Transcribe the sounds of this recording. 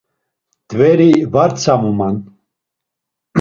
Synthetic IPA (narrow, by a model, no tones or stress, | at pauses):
d̪̥vɛɾivaɾt͡sʰamuman